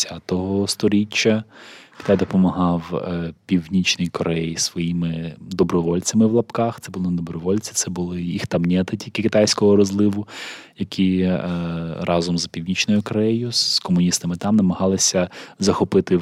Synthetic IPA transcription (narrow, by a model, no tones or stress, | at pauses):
at̪ɔɦɔst̪ɔɾʲit͡ʃːɐkʲɪ̥t̪ajd̪ɔpɔmɐɦɑwpʲiwnʲit͡ʃnɔjikɔɾʔɛjisʋɔjimɪd̪ɔbɾɔʋɔlʲt͡sʲɐmɪwlˠɐpkɑxt̪ɛbʊlˠɪnd̪ɔbɾɔʋɔlʲt͡sʲi̥t̪sɛbʊlˠɪjixt̪ɐmnʲɛt̪ɐtʲilʲkɪkɪt̪ɑjsʲkɔɦɔɾɔzlˠɪʋʊjɐkʲʰi | ɾʔɑzɔmzɐpʲiwnʲit͡ʃnɔjʊkɔɾɛjʊskɔmʊnʲist̪ɐmɪt̪ɑmnɐmɐɦɑlˠɪsʲɐzɐxɔpɪt̪ɪ